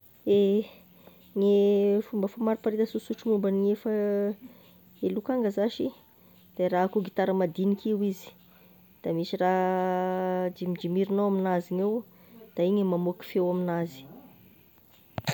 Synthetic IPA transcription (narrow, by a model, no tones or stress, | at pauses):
e | ŋefumbəfumaɾupaɾit̪əsusuʈ͡ʂumumbaniefə | elukaŋɡəzaʃi | d̪̥araakuɡit̪aɾəmad̪inikiwizi̥ | d̪̥amisira | d͡ʒimid͡ʒimiɾinawaminazinew | d̪̥aiɲemamuki̥fewaminazi̥